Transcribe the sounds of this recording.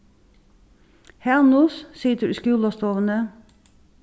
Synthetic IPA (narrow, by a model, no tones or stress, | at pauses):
hɛnussiːt̪əɾskʉːlɔst̪oːʋənə